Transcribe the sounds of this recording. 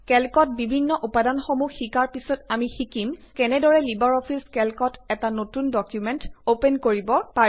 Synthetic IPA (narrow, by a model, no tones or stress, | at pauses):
kɛlkɔt̚bibʱinːɔʔupadanxomuxikaɹpisɔtamixikimkɛnɛdɔɹɛlibaɹɔpʰiskɛlkɔtɛtanotundɔkjumɛntopenkoɹibɔpa